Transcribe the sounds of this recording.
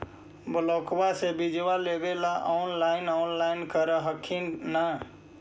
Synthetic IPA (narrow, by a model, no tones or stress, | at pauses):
bəlɔːkbasebid͡ʒʋaleʋelaʔaʊnlaːɪnaːnlaːɪnkəɾəɦəkʰinːa